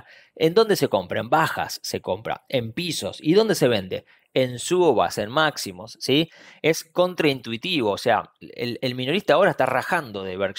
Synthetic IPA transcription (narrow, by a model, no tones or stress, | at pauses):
end̪o̞nd̪e̞se̞ko̞mpɾaembaxa̰sːeko̞mpɾa̰e̞mpiso̞̰siðo̞nd̪e̞se̞βe̞nd̪e̞̰ | ensuβa̰senmaksimo̞sːi | e̞sko̞nt̪ɾaint̪wit̪iβo̞ːsea̰ḛlelmĩnoɾist̪aːo̞ɾaest̪araxand̪o̞ðeβeɾks